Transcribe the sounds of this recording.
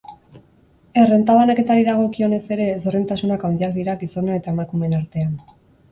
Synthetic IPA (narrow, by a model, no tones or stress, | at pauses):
e̞re̞nt̪aβanake̞t̪aɾiðaɣ̞o̞kio̞ne̞se̞ɾe̞sorent̪asunakawnd̪iak̚d̪iɾaɡiso̞noe̞t̪ae̞makume̞naɾt̪e̞an